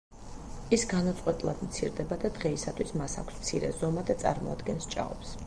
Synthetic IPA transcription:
isɡanat̪sʼqʼwɛt̪ʼilˠad̪mt̪sʰiɾd̪ɛbad̪ad̪ʁɛisat̪ʰwismasa̰kʷʰsmt̪sʰiɾɛ̰zɔmad̪at̪sʼa̰ɾmɔ̰ad̪ɡɛnst͡ʃʼa̰ɔps

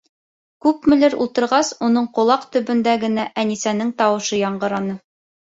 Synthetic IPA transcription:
kʉpmɘ̆lɘɾṵlˠt̪ɤ̆ɾʁɑsunɤɴqŏlˠɑqt̪ɵ̆bɵ̆nd̪æɡɘ̆næʔænisænɘŋt̪ɑwɤ̆ʃɤjɑɴɢɤ̆ɾɑnɤ

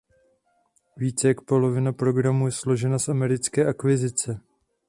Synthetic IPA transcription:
viːt͡sɛjak̚po̞lo̞vɪnapɾo̞ɡɾamujɛslo̞ʒɛnasʔamɛɾɪt͡skɛːʔakvɪzɪt͡sɛ

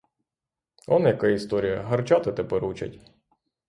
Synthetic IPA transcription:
ɔnjɐkaist̪ɔɾʲijɐɦɐrt͡ʃat̪ɪt̪ɛpɛɾut͡ʃɐ̰tʲ

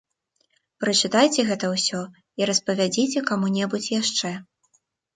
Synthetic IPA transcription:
pɾɐt͡ʂɨt̪ajt͡sʲɛɣɛt̪ɐwsʲɔ | iɾɐspɐvʲad͡zʲit͡sʲɛkamunʲɛbut͡sʲjaʂt͡ʂɛ

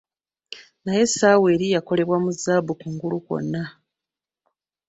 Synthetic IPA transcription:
naje̞saːwe̞ːɾijako̞le̞βwamuzaːbukuŋɡuluko̞̰nːa

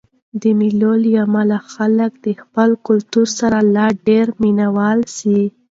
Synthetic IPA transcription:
d̪əmilolijamalaxalək̚d̪̥əxpəlkʊlt̪uɾsaɾalɑɖeɾminawɑlsi

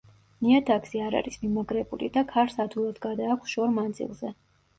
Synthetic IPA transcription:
niat̪ʰaɡsiaɾa̰ɾismimaɡɾɛbṵlḭd̪akʰaɾsad̪ulˠad̪ɡad̪aːkʰʷsʃɔɾmand̪zḭlˠzɛ

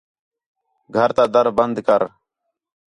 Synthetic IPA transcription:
ɡʱəɾt̪aːd̪əɾbənd̪kəɾ

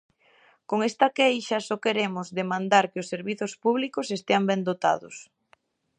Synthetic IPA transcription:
koŋest̪ɐkejʃɐsɔkeɾemʊzðemãnd̪aɾkɪosːeɾβiθʊspuβlikosest̪eambend̪ot̪a̰ðʊs

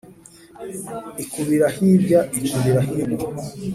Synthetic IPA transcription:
ikuβiɾahibjaikuβiɾaɦiβa

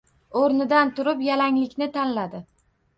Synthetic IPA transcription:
oɾnɪd̪ant̪ʊɾɪpjalaŋlɪkʲnɪt̪ʰanlad̪ɪ

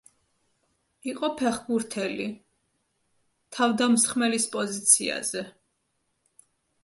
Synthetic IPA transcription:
iqʼɔpʰɛχbuɾt̪ʰɛli | t̪ʰavd̪amsχmɛlispʼɔzit̪sʰia̰z̥ɛ

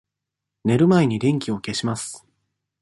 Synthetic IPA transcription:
ne̞ɾɯ̟maeɲ̟iɾʲẽ̞ŋkʲio̞ke̞ɕimasɨ̥

